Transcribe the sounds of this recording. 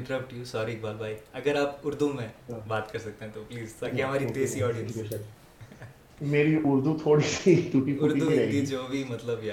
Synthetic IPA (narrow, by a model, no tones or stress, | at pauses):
ɪ̃ɳʈəɾəp̚ʈjusɔːɾik̚baːbʱaːiɐɡəɾaːpʊɾd̪ʱumẽbaːt̪kɐɾsɐk̚t̪eɦɛ̃t̪opliːzt̪aːkeɦɐmaːɾit̪eːsiɔːɖijə̃nss | meːɾiʔʊɾd̪ʱut̪ʰoːɽisit̪uːʈiʊɾd̪ʱud̪id͡ʒoːbʱimɐt̪ləbjaː